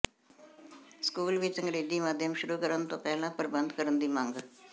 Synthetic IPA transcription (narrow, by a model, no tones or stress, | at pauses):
skuːlʋit͡sə̃ŋɡɽeːd̪iːmaːd̪ʱjəmʃʊɾukəɾənt̪õpɛɦlãpəɾbənd̪kəɾənd̪iːmãːŋɡ